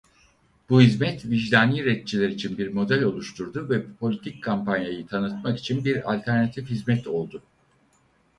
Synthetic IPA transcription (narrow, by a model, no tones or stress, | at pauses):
b̥uhizmɛt̪viʒd̪aːniːɾɛt̪̚t͡ʃʰilʲɛɾit͡ʃʰinbiɾmo̞d̪ɛlʲo̞lˠuʃt̪ʰuɾd̪uvɛpʰo̞lʲit̪ʰic̚kʰampanjajɯt̪ʰanɯt̪maki̥t͡ʃʰinbiɾa̰lʲt̪ʰæɾnat̪ʰifhizmɛt̪ʰo̞lˠd̪ʊ